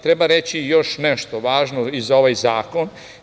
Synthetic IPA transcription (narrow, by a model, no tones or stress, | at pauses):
t̪ɾebaɾet͡ɕijo̞ʃneʃt̪o̞ʋaːʒnoizao̞ʋajzaːko̞n